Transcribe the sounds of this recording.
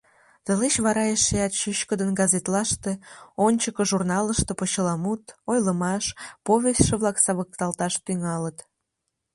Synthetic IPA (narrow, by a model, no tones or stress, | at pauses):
t̪əleɕβɑɾɑjeʃeɑt̪ʃyɕkəd̪ənɡɑzet̪lɑʃt̪eonʲt͡ɕəkəʒurnɑləʃt̪epot͡ɕəlɑmut̪ojləmɑʃpoβʲest̪ʃeβlɑksɑβək̚t̪ɑlt̪ɑʃt̪yŋɑlət̪